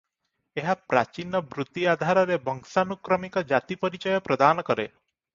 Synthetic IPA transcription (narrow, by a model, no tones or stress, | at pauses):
eɦapɾa̰t͡ʃinɔbɾut̪iad̪ʱaɾɔɾebɔŋsanukɾɔmikɔd͡ʒat̪ipɔɾit͡ʃɔjɔpɾɔd̪anɔkɔɾe